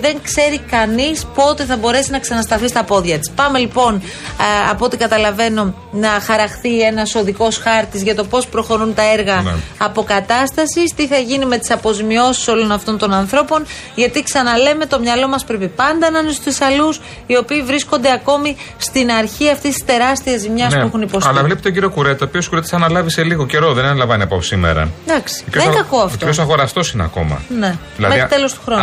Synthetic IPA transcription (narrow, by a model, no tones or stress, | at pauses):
ðe̞ŋkse̞ɾikɐnispo̞t̪e̞θɐbo̞ɾe̞sinɐksɐnɐst̪ɐθist̪ɐpo̞ðʝɐt̪i̥spɐme̞lipo̞n | ɐpot̪ikɐt̪ɐlɐve̞no̞ | nɐxɐɾɐxθie̞nɐso̞ðiko̞sxɐɾt̪izʝɐt̪o̞po̞spɾo̞xo̞ɾunt̪ɐe̞ɾɣɐ̰ːpo̞kɐt̪ɐst̪ɐsist̪iθɐʝinime̞t̪i̥sɐpo̞zimio̞si̥so̞lo̞nɐft̪o̞nt̪o̞nɐnθɾo̞po̞n | ʝɐt̪iksɐnɐleme̞t̪o̞mɲɐlo̞mɐspɾe̞pipɐnd̪ɐnɐnest̪uisɐlus | io̞piːvɾisko̞nd̪e̞ɐko̞mi | st̪inɐɾçiɐft̪est̪i̥st̪e̞ɾɐst̪iɐzimɲɐs̬pexuniposɐlɐvlipe̥t̪oɟiɾio̞kuɾe̞t̪ɐopioskuɾe̞t̪e̥sɐnɐlɐvise̞liɣoce̞ɾo̞ðenɐnlɐvɐniɐposimḛɾɐ̰d̪ɐksi̥ɾek̪ɐkoɐfft̪oiosɐɣo̞ɾɐst̪o̞sineɐ̰ko̞̰mɐ̰ne̞ | ilɐðmet̪e̞lo̞st̪u̥xɾon